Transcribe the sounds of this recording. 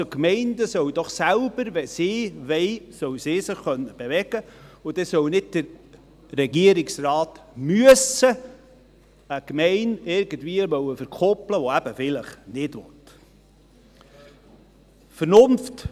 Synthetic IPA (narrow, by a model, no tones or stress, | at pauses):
okmɛɪndəsœwd̥̪ɔχsælb̥əɾʋɛsɪːʋɛɪsœwsɪːsɪχːœnːəb̥eʋɛɡ̥əʊd̥̪ɛsœwnɪd̚d̥əɾ | ɾɛɡiəɾɪksrɑːtmyəsə | əkmɛɪnɪɾɡ̥əndviəʋœwəfəɾkʰɔpləʋɔæb̥əfɪləχnɪdʋɔ̰t̪ | fəɾnʊnft